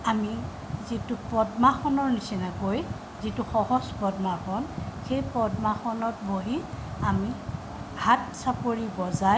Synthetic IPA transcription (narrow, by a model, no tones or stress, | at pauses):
ami | zitupɹɔdmaxɔnɔɹnisinakoj | zituxɔhɔspɔdmaxɔnxejpɹɔdmaxɔnɔtboɦi | ami | hat̚sapoɹibɔzaj